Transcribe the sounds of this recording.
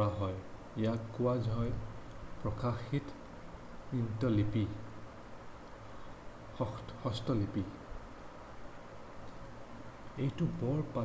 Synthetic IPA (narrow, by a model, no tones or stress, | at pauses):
aɦɔj | ejakːuwazɦɔjpɹɔkaxit | intɔlipi | hɔstɔlipi | ejtubɔɹpa